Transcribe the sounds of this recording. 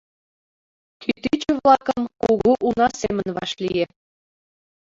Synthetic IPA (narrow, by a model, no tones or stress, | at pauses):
kyt̪it͡ɕɘ̆βlˠɑkəmkoɣuʔunɑsemə̆nβɑ̰ʃlije